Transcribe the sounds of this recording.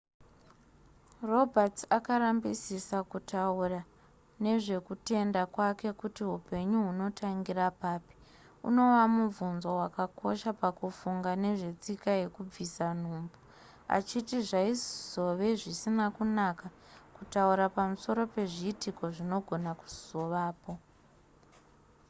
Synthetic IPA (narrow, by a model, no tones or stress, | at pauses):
ro̞bʱatakaɾambisisakutaura | ne̞ʐe̞kute̞ndakwake̞kutiɦupe̞ɲuɦuno̞tʰaŋɡirapaːpi̥ | ṵno̞wamuvunzowakako̞̰ʃapakufuŋɡane̞ʐe̞t͡sikaje̞kub͡visan̤uːmbu | a̰t͡ʃitiʐaizz̥o̞ʋe̞ʐisinakunaka | kutauɾapamuso̞ɾo̞pe̞ʐiːtiko̞ʐino̞ɡʱo̞naku̥z̥o̞ʋaːpo̞